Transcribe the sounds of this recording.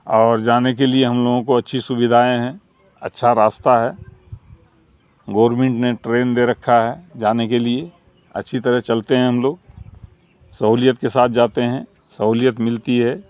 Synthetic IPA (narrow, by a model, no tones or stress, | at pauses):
ɔːɾd͡ʒaːnekelieɦɐmloːɡõkoɐtːʃʰisʊʋɪd̪ʱaːẽɦɛ̃ | ɐ̰tːʃʰaɾaːst̪aɦɛː | ɡɔːɾmẽɳʈneʈɾeːnd̪eɾɐkʰːaɦɛd͡ʒaːnekelie | ɐ̰tːʃʰit̪əɾəɦt͡ʃɐlt̪eɦɛ̃ɦɐmloːɡ | sɐɦuːljət̪kesaːt̪ʰd͡ʒaːt̪eɦɛ̃ | səɦuːlijət̪mɪlt̪iɦɛ